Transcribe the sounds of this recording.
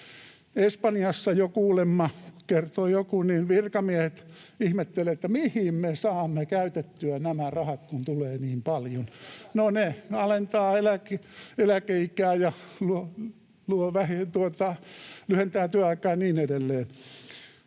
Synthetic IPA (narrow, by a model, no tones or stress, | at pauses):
espɑnijɑsːɑjokuːlemːɑkert̪ojokuninʋirkɑmiehet̪ | ihmet̪ːeleet̪ːæmihimmesɑːmːekæyt̪et̪ːyænæmærɑhɑt̪kunt̪uleːniːmpɑljonnoneɑlent̪ɑːelækeelækeikæːjɑluo | luoʋæhet̪uot̪ɑlyhent̪æːt̪yæɑikɑːnniːnedelːeːn